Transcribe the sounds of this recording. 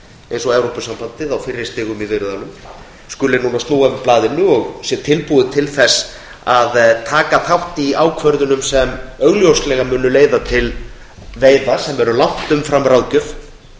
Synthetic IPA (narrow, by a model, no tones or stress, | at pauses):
ejnsɔɛwɾowpʏsampant̪ɪðawfɪɾːɪ̥st̪ɪːɣʏmivɪɾʏðanʏm | skʏːlɪnuːnast̪nuːɣavɪplaːðɪnːʏɔɣsjɛt̪ʰɪlpuðʏt̪ʰɪlθɛsː | aðt̪ʰaːkaθʰawht̪iaːwkʰvœɾðʏnʏmsɛmœɣljowslɛɣamʏːnʏleːjðat̪ʰɪl | veːjðasɛmɛɾʏlan̥t̪ʏmfɾamːɾawðcʏf